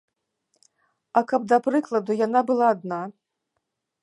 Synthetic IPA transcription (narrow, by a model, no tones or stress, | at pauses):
ɐkɐb̚d̪ɐpɾɨklˠɐd̪ujanabɨlˠaːd̪na